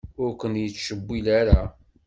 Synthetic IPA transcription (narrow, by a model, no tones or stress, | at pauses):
ʊɾkʷənjət͡sːʃəbːilaɾa